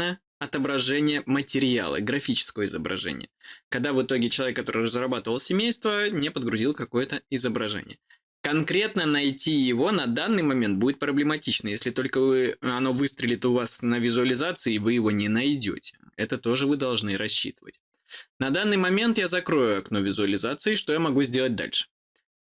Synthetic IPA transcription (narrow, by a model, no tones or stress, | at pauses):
nə | ɐt̪əbɾɐʐɛnʲɪjəmətʲɪɾʲɪa̰lˠə̰ɡɾɐfʲit͡ɕɪ̥skəvəɪzəbɾɐ̰ʐɛ̰nʲɪ̰jəkɐɡ̚d̪avɨt̪o̞ɡʲɪt͡ɕɪlˠɐvʲekːɐt̪o̞ɾɨrəzɾɐbat̪əvəlˠsʲɪmʲejst̪vənʲepəd̪̚ɡɾʊzʲilˠkɐko̞jət̪əɪzəbɾɐʐɛ̰nʲɪ̰jə | kɐnkɾʲe̞t̪nənɐjtʲijɪvo̞nɐd̪anːɨjmɐmʲent̪̚budʲɪt̪̚pɾəblʲɪmɐtʲit͡ɕnəjesʲlʲɪt̪o̞lʲkəvɨɐno̞vɨst̪ɾʲɪlʲɪt̪əʊvasnəvʲɪzʊəlʲɪzat̪sɨɪːvɨjɪvo̞nʲɪnɐjdʲo̰tʲɪ̥ɛt̪ət̪o̞ʐɨvɨd̪ɐlˠʐnɨɾɐɕːḭt̪ɨvə̰tʲ | nɐd̪anːɨjmɐmʲe̞nt̪jazɐkɾo̞jʊɐknovʲɪzʊəlʲɪzat̪sɨɪʂt̪ojamɐɡuzʲdʲe̞lˠət̚ʲd̪a̰lʲʂɨ̥